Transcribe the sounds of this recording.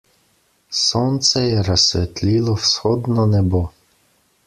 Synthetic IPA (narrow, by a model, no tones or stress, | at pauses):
sɔnt̪sɛjɛɾɐsʲʋɛt̪lʲilˠɔwsxɔd̪nɔnɛbɔ